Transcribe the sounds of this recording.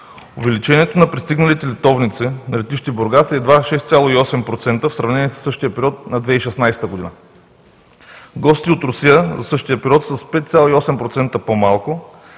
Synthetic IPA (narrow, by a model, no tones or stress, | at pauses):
ovɛlit͡ʃɛniɛt̪onɐpɾist̪iɡnɐlit̪ɛlɛt̪ɔvnit̪sɛnɐlɛt̪iʃt̪iboɾɡasɛd̪vaʃɛst̪sʲalˠoiɔsɛmpɾot̪sɛnt̪əfsɾɐvnɛniɛsə̥sːɤʃt̪ijəpɛɾiɔt̪̚nɐd̪vɛiʃɛsnajsɛ̥t̪əɡod̪inə | ɡɔst̪iot̪ɾʊsijəzɐsɤʃt̪ijəpɛɾiɔt̪sɐspɛt̪t̪sʲjalˠoiɔsɛmpɾot̪sɛnt̪əpomalˠkʊ